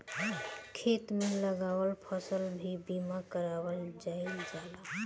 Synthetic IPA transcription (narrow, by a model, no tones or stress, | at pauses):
kʰet̪mẽləɡawəlpʰəsəlbʱibimakəɾawəld͡ʒaild͡ʒala